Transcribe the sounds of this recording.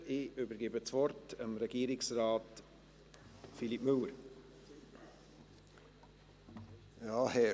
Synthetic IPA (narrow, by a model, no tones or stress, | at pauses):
ɪøbəɾɡɪbət͡svɔrtəmɾɛɡ̥iːɾɪksɾɑːt | filipmɵləɾ | jɑːhɛ